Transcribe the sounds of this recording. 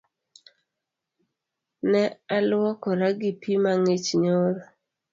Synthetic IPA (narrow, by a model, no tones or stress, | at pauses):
nɛalwɔkɔɾaɡipʰimaŋet͡ʃɲoɾɔ